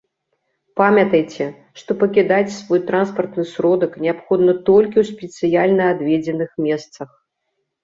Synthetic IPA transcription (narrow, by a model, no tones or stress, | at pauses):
pamʲɐt̪ɐjt͡sʲɛ | ʂt̪ɔpɐkʲid̪at͡sʲsvɔjt̪ɾanspɐrt̪nɨsɾɔd̪ɐknʲɛapxɔd̪nɐt̪ɔlʲkʲiwsʲpʲɛt̪sɨjalʲnɐad̪vʲɛd͡zʲɛnɨxmʲɛst̪sɐx